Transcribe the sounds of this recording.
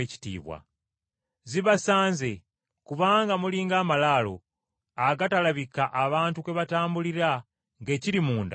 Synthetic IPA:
eci̥tḭːβwa̰ | ziβasaːnze̞ | kuβaːŋɡamuliːŋɡaːmalaːlo̞̰ | aɡatalaβikaʔaβaːntukwe̞βataːmbuliɾa | ŋɡe̞ːciɾimuːnda

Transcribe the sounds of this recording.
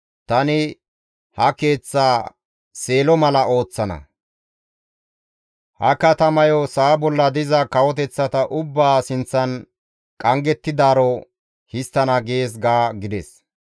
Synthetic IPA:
t̪ɐnɪ | hɐke̞ːt͡sːaː | se̞ːlɔmɐlɐʔo̞ːt͡sːɐnɐ̰ | hɐ̰kɐt̪ɐmɐjɔsaːbɔlːɐd̪ɪzɐkɐwɔt̪ɛt͡sːɐt̪ɐʔʊbːaːsɪnt͡sːɐn | kʼɐŋɡɛt̪ːɪd̪aːɾɔ | hɪst̪ːɐnɐɡeːs̬ɡaːɡɪd̪ɛs

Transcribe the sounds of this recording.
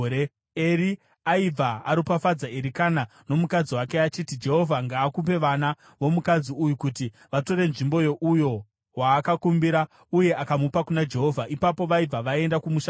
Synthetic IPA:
e | eri | aib͡vʱaa̰ɾipafad͡zaeɾikana | no̞mukad͡ziwake̞at͡ʃitid͡ʒe̞ɦo̞vʱaŋɡaːkup̬e̞ʋana | ʋo̞mukad͡ziujukuti | ʋato̞ɾe̞nʐimbo̞jo̞ʔujo̞ | waːkakumbiɾa | uje̞ʔakamupakunad͡ʒe̞ɦo̞vʱaʔipapo̞ʋaib͡vʱaʋae̞ndakumuʃa

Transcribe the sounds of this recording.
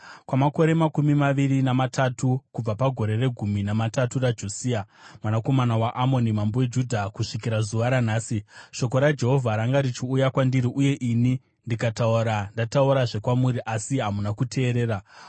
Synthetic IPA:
kwamako̞ɾe̞makumimaʋiɾinamatʰatukub͡vapaɡʱo̞ɾe̞re̞ɡʱuminamataturad͡ʒo̞siamwanako̞manawaʔamo̞nimambowed͡ʒudʱakuʂikiɾazuʋaɾanaːsiʃo̞k̬o̞ɾad͡ʒe̞ɦo̞vʱaɾaŋɡaɾit͡ʃiujakwandiɾiʔuje̞ʔini | ndikatauɾandatauɾaʐe̞kwamuɾiʔasiɦamunakutʰe̞ːɾe̞ːɾa

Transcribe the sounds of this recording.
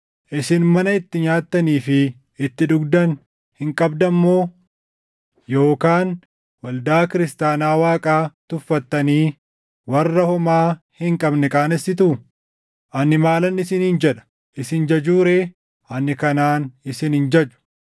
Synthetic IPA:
ʔɪsɪnmɐnɐɪt̪ːɪɲaːt̪ːɐniːfɪ | ɪt̪ːɪᶑʊɡd̪ɐn | hɪŋkʼɐbd̪ɐmːo̞ː | jo̞ːkaːn | wɐld̪aːkɪɾɪst̪aːnaːwaːkʼaːt̪ʊfːɐt̪ːɐniː | wɐrːɐhɔmaː | hɪŋkʼɐbnɛkʼaːnɛsɪt̪̬ʊ | ʔɐnːɪmaːlɐnːɪsɪnhɪnd͡ʒɛᶑɐ̥ | ʔɪsɪnd͡ʒɐd͡ʒuːɾe̞ː | ʔɐnːɪkɐnaːnɪsɪnhɪnd͡ʒɐd͡ʒʊ̥

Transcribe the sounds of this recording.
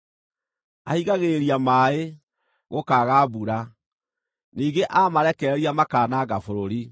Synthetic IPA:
ahiɣaɣeɾiamaːe | ɣokaːɣaːbuɾa | niːɡeʔamaɾɛkɛɾiamakaːnaːɡafoɾoɾi

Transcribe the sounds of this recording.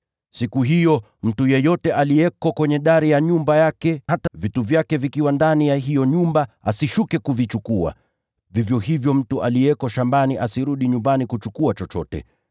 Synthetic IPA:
sikuɦijɔ | m̩tujɛjɔtɛʔalijɛkɔkwɛɲɛɗaɾijaɲumbajakɛhatvituvjakɛvikiwandanijaɦijɔɲumbaasiʃukɛkuvit͡ʃukua̰ | vivjɔhivjɔm̩tuʔalijɛkɔʃambaniʔasiɾuɗiɲumbanikut͡ʃukuat͡ʃɔt͡ʃɔtɛ̰

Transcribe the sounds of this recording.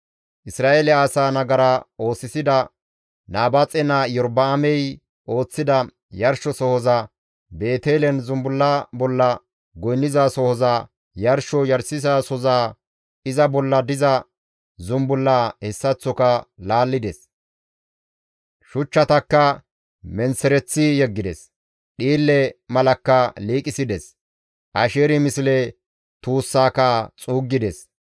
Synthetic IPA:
ʔɪsɾaːʔeːlɛaːsaːnɐɡɐɾɐo̞ːsːɪsɪd̪ɐ | naːbɐt͡sʼɛnajɔɾbɐːmɛj | ʔo̞ːt͡sːɪd̪ɐ | jɐɾʃɔsɔhɔzɐ | be̞ːt̪eːlɛnzʊmbʊlːabɔlːɐ | ɡɔjnːɪzaːsɔhɔza | jɐɾʃɔjɐɾsɪzaːsɔzaː | ɪzɐbɔlːɐd̪ɪzɐ | zʊmbʊlːaːhɛsːɐt͡sːɔkɐlaːlːɪd̪ɛs | ʃʊt͡ʃːɐt̪ɐkːɐ | mɛnsɛɾɛt͡sːɪjɛɡːɪd̪ɛ̰s | ɗiːlːɛmɐlɐkːɐliːkʼɪsɪd̪ɛs | ʔɐʃeːɾɪmɪslɛ | t̪uːsːaːkat͡sʼuːɡːɪd̪ɛs

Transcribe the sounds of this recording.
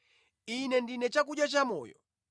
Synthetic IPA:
inɛndinɛt͡ʃak̬uɗjat͡ʃamɔ̰ːjɔ̰

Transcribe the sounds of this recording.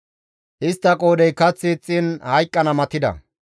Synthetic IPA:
ʔɪst̪ːɐkʼoːd̪ɛjkɐt͡sːɪt͡sʼːɪnhɐjkʼːɐnɐmɐt̪ɪd̪ɐ̰

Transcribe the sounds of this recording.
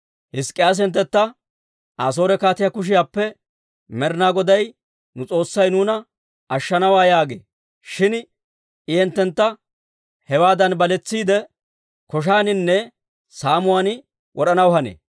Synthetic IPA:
hɪskʼːɪjaːs̬ɛnt̪ːɛt̪ːɐ | ʔaːs̬o̞ːɾɛkaːt̪ɪjakʊʃ̬ɪjaːpːɛ | mɛɾɪnaːɡɔd̪ɐj | nʊt͡sʼo̞ːsːɐjnuːnɐ | ɐʃːɐnɐwaːjaːɡḛː | ʃɪn | ɪjɛnt̪ːɛnt̪ːɐ | hɛwaːd̪ɐnbɐlɛt͡sːiːd̪ɛ | kɔʃ̬aːnɪnːɛ | saːmʊwan | wʔɔɾɐnɐwhɐnḛː

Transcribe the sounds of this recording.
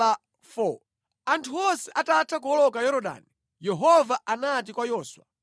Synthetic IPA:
a | fɔ | antʰuɔsɛʔatatʰak̬uɔlɔkajɔɾɔɗa̰ni | jɛɦɔvaʔanatikwajɔːswa

